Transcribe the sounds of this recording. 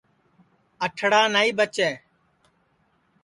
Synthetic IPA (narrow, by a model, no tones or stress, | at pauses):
əʈʰɽaːnaːiːbət͡ʃɛː